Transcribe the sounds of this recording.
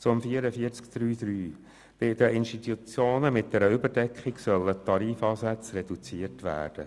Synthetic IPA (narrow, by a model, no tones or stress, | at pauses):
t͡sʊmfiəɾəfiəɾt͡skd̪̥ɾyːd̪̥ɾyː | b̥ɪd̪əɪnʃtit̪ut͡sjoːnəmɪt̚d̥̪ɛɾəʏbəɾdɛkχiksœlːət̪ʰːɑɾiːfɑːsæt͡srɛdut͡siəɾtʋæ̰ːɾd̥ə̰